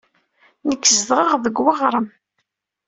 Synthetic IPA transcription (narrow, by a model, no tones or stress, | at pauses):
nəkːzðʁəʁðəɡwaʁɾˤəm